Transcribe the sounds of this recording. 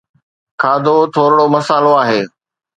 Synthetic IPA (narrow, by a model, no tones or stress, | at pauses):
kʰaːd̪ʱot̪ʰoːɾɽomɐsaːloaːɦeː